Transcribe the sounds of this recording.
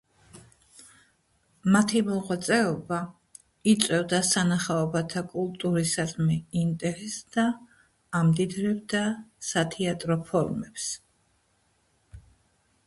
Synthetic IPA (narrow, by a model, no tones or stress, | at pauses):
mat̪ʰimɔʁwat̪sʼɛɔba | it̪sʼwɛvd̪asanaχaɔbat̪ʰakʼulˠt̪ʼuɾisad̪mɛint̪ʼɛɾɛsd̪̥aː | md̪id̪ɾɛbd̪asat̪ʰɛat̪ʼɾɔpʰɔɾmɛps